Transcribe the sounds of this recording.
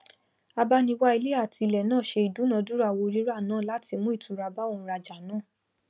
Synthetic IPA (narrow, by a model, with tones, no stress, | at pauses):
a˧ba˧nĩ˧wa˦i˧li˦a˦˨ti˧lɛ˨nãː˦˨ʃe˧i˨du˨˦nã˧du˦ɾa˧˨wo˧ɾi˦ɾa˦˨nãː˨˦˨la˨˦ti˧mũ˦i˦˨tũ˨˦ɾa˧ba˦õ˧˦ɾa˧d͡ʒa˨nãː˦˨